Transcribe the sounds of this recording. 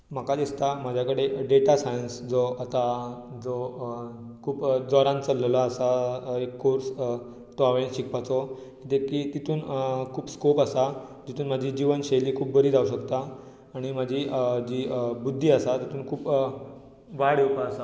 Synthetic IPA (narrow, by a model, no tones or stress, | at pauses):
m̤akad̪ist̪amad͡ʑʱjakəɽeɖeʈasajənsd͡zoat̪a | d͡zo | kʰuːpd͡zɔɾãnt͡səlːlaːsaekːoɾs | t̪ɔaʋeɭnɕikpat͡sɔ | it̪ekiːt̪it̪ʰuːnkʰuːpskopasad͡ʑit̪ʰuːnm̤ad͡ʑʱiːd͡ʑiʋənɕeliːkʰuːp̚bəɾiːd͡zauɕ̬əkt̪aː | ɽ̃imad͡ʑʱid͡ʑiːbud̪ʱːiːasat̪it̪uːnkʰuːp | ʋaɽewpaəsa